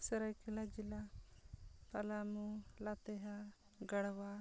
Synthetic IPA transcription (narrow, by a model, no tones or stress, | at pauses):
sɛɾajkilad͡ʒila | palamulat̪ɛɦa | ɡəɽwa